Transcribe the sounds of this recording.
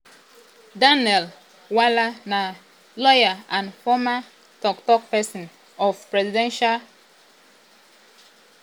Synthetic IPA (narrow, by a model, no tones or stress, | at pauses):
danɛl | walana | lɔjaãnfɔma | tɔktɔk̚pɛsɔ̃n | ɔfpɹɛzidɛ̃nʃal